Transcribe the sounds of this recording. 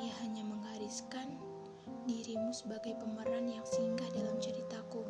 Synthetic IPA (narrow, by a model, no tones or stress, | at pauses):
ijaɦaɲaməŋhaɾiskan | diɾimusəbaɡajpəməɾanjaŋsəiŋɡahdalamt͡ʃəɾit̪aku